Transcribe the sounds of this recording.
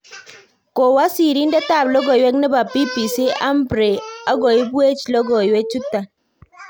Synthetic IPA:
ko˨wa˦si˨ɾi˦ndɛ˦ta˦˨blɔ˦ɡɔ˨jwɛ˦knɛ˦ba˨pi˦pi˨si˦ʔa˦mbɾe˨a˦ɡo˨i˦be˦t͡ʃlɔ˦ɡɔ˨jwɛ˦t͡ʃu˦ta˨

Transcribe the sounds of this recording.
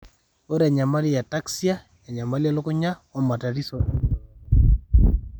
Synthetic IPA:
o˦ɾa˨ɲa˨ma˦li˦ja˨ta˦ksi˦a˦ | ja˨ɲa˨ma˦lja˦lo˦ko˦ɲa˦ɔ˦ma˨ta˨ɾi˦so˨

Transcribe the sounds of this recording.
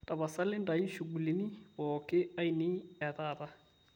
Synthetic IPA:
tʼa˨βa˨sa˦lɪ˦nda˨i˦ʃu˨ɡu˨le˨ni˦wɔ˨kʼɛ˦a˦i˨ni˦ɛ˨ðaː˨ða˦

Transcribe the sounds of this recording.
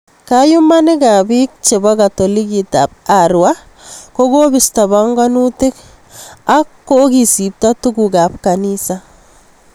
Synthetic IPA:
kaju˦ma˦nɪ˦ka˨bi˦k̚t͡ʃe˨ba˦ka˨to˨li˦ki˨ta˨p̚aɾwa | koɡo˦bɪ˨sta˨baŋɡa˦nutɪ˦k | akːo˦ɡi˨si˨p̚ta˦tuɡuka˨p̚kanisa

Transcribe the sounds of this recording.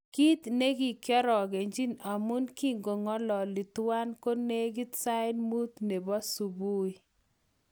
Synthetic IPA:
ki˦t̪ne˦ki˨kjɔ˦ɾɔ˨ɡe˨ɲd͡ʒi˦na˨mu˦nki˦ŋɡo˨ŋɔ˦lɔ˨li˨twa˦nko˦ne˦ɡi˦t̪sa˦ɪ˦nmu˦t̪ne˨bɔ˦su˨bu˦i˨

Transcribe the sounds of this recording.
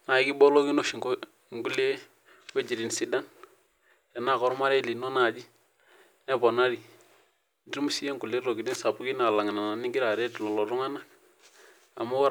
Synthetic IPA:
na˨i˦ki˦bɔ˦lo˦ki˦no˨ʃi˨˦ | ŋɡu˦le˦ | we˦d͡ʒi˨ɾi˨n˨si˦da˦n | jɛ˨na˨kɔ˨ɾma˦ɾɛ˦li˨nɔ˦na˨d͡ʒi˦ | nɛ˦bɔ˨na˦ɾi˨˦ | di˦ɾmu˦si˦ɛ˦ŋɡu˨le˦ɾo˨ɡi˨di˦nsa˨bu˦ki˦na˨la˨ŋ˨na˨na˨ni˦ŋɡi˦ɾa˨ɾɛ˦tlɔ˨lɔ˨ɾu˦ŋa˦na˦k | a̰˨mu˦

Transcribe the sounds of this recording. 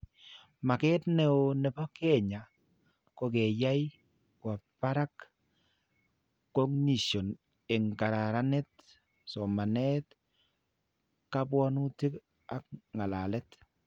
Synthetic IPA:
ma˨ke˦tne˨o˨nɛ˨pa˦ke˦˨ɲa˨ | ko˦ɡe˨ja˦j | kwa˨pa˦ɾa˦k | o˦ŋni˨so˨n | ɪ˨ŋka˨ɾa˨ɾa˦nɛ˦t | so˨ma˨nɛ˦t | ka˦bwɔ˦nu˦ti˦k | a˦k̚ŋa˨la˨lɛ˦t

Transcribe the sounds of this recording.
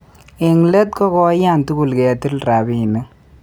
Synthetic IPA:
e˨ŋle˦t̚kɔ˦kɔ˦ja˦˨ntu˦ku˨lkɛ˨ti˦lra˨bi˦˨ne˦

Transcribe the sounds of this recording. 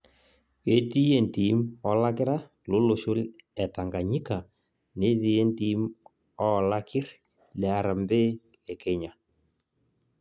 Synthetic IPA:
e˨˦ti˦je˦˨nti˨˦mɔ˨la˦k̬ɪ˦ɾa˦ | lo˦lo˨ʃʊ˦lɛ˨ta˨ŋɡa˨ɲi˦ka˨ | ne˦ti˨˦e˦nti˦m | ɔ˦˨la˦kɪ˦ɾ | lɛ˨a˨ɾa˨mbe˦ | ɛ˨ke˨ɲa˨

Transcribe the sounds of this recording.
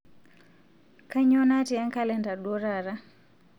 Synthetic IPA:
ka˦ɲo˦na˦ti˨a˦ŋka˦lɛ˨nda˨ɗo˦ɾa˨ɾa˦

